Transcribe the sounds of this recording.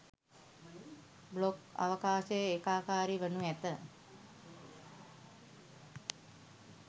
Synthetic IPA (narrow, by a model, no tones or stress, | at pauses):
bloka̰ʋəkaːʃəjəekaːkaːɾiʋənuæt̪ə